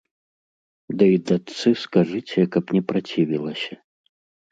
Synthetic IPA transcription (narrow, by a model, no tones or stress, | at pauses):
d̪ɐid̪at̪sɨskaʐɨt͡sʲɛkɐpnʲɛpɾat͡sʲivʲilˠɐsʲɐ